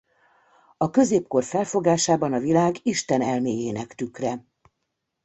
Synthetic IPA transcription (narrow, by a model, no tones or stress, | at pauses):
ɒkø̞zeːpko̞rfɛlfo̞ɡaːʃaːbɒnɒvilaːɡiʃt̪ɛnɛlmeːjeːnɛkt̪ykrɛ